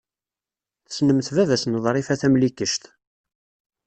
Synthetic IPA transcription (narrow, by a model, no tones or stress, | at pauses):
θə̥snəmθvæðæsənðˤɾˤifæθæmlikəʃt̪